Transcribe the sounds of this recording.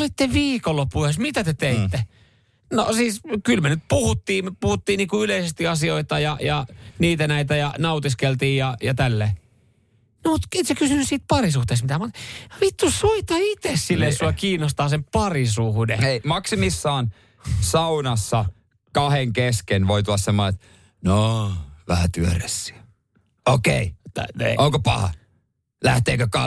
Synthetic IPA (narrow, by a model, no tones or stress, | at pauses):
olit̪ːeʋiːkolːopːuhesmit̪æt̪et̪eit̪ːe | no̰siːskylmenyt̪̚puhut̪ːiːmpuhut̪ːiːniːkuyleisest̪iɑsioit̪ɑjɑjɑniːt̪ænæit̪æjɑnɑut̪iskelt̪iːjjɑjɑt̪ælːeː | nomut̪et̪sekysynyssiːt̪̚pɑrisuht̪eːsmit̪æmut̪ʋit̪ːussoit̪ːɑit̪essilːesuɑkiːnost̪ɑːsempɑrisuhdeeimɑksimisːɑːn | sɑunɑsːɑ | kɑheŋkeskenʋoit̪ulːɑssemːoet̪ | noʋæhæt̪yøræsːi̥æ | okḛit̪ːoŋkopɑ̰hɑ̰ | læht̪eːkøkɑ